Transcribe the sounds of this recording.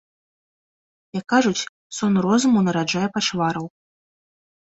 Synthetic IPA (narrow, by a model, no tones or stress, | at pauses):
jakːaʐut͡sʲ | sɔnɾɔzumuwnɐɾad͡ʐajɛpat͡ʂvaɾɐw